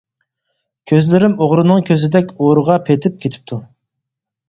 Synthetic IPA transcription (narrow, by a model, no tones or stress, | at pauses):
kʲʰøzlɪɾɪmoʁɾɨnɨŋkʲʰøzɪd̪ɛkʲoɾʁɑpʰet̪ʰɪp̚kʲʰet̪ʰɪ̥p̚t̪ʰu